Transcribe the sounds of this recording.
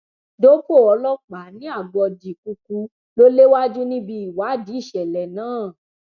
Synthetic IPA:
do˨˦ko˦˨ɔ˧lɔ˦k͡pa˨˦nĩ˦a˦˨ɡ͡bɔ˧di˨ku˧ku˧ | lo˦le˦wa˦d͡ʒu˦nĩ˦bi˧i˨wa˨˦˨di˨˦i˦˨ʃɛ˨lɛ˨nãː˨˦˨

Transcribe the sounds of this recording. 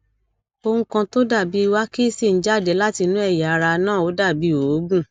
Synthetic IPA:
o˧hũ˧kã˧to˦da˦˨bi˨˦i˧wa˦ki˦˨si˦˨n̩˨˦d͡ʒa˦˨dɛ˨˦la˦ti˧nũ˦ɛ˦˨ja˨˦˧ɾa˧nãː˦˨o˨˦da˦˨bi˨˦o˨˦ɡũ˦˨

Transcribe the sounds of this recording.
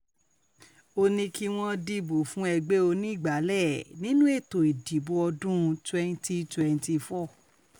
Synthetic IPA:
o˧nĩ˧ki˦w̃ɔ̃˦di˧bo˨fũ˨˦ɛ˧ɡ͡be˦o˧nĩ˦i˦˨ɡ͡ba˨˦lɛ˦˨nĩ˦nũ˦e˦˨to˨i˨di˨˦bo˧ɔ˧dũ˦˧tɛ˦nti˦twɛ˧n˦ti˧fɔ˦˨

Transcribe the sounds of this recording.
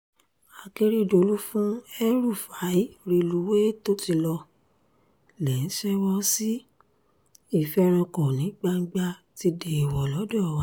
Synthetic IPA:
a˨ke˧ɾi˦˨do˨lu˦fũ˦ɛ˦ɾu˦˨fa˨˦i˦˧ɾi˦˧lu˨˦we˦to˦ti˧lɔ˧ | lɛ˨n̩˦ʃɛ˦wɔ˦si˦ | i˦˨fɛ˦ɾ̃ã˧kɔ̃˨nĩ˨˦ɡ͡ba˧n̩˦ɡ͡ba˧ti˧de˨i˨wɔ˨lɔ˨˦dɔ˦˨wa˨˦

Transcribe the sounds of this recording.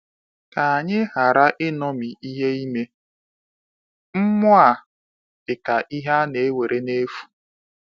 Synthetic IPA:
ka˨a˨ɲɪ˦ɦa˨ɾa˦ʔɪ˦nɔ˦mi˨ʔi˦ɦe˦i˦me˦ | m̩˦mʊ˦a˨ | ɪ˨ka˨ʔi˦ɦa˦ne˨e˦we˨ɾʔe˦ne˦fu̥˨

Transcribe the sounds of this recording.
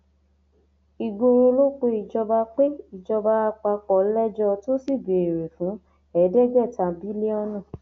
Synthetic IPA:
i˨ɡo˧ɾo˧lo˦k͡pe˧i˨d͡ʒɔ˧ba˧k͡pe˦i˨d͡ʒɔ˧ba˧a˧k͡pa˧k͡pɔ˨˦lɛ˦d͡ʒɔ˧to˦si˦˨ɡe˨e˨ɾe˨fũ˨˦ | ɛ˨˦dɛ˦ɡɛ˦˨ta˧bi˦le˦ɔ˦nũ˦˨

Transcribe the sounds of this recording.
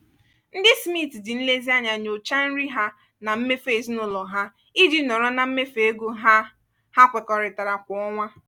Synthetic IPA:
n̩˦dɪ˦smi˦˨ti˨dɪ˨n̩˦le˦zi˦a˦ɲa˨ɲo˨t͡ʃa˦n̩˦ɾi˦ɦa˦ | na˨m̩˦me˦fe˦˨znʊ˦lɔ˨ɦa˦ | i˦di˦nɔ˨ɾɔ˦na˨m̩˦me˦fe˨e˦ɡu˦ɦa˦ | ha˦kʷe˨kɔ˨ɾɪ˨ta˨ɾa˨kʷɔ˨ɔ˦ŋʷa˦

